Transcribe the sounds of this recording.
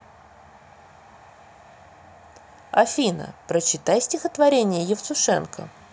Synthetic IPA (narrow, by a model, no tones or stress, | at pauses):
ɐfʲinə̰pɾət͡ɕɪt̪ajsʲtʲɪxət̪vɐɾʲenʲɪjəjɪft̪sʊʂɛ̰nkə̰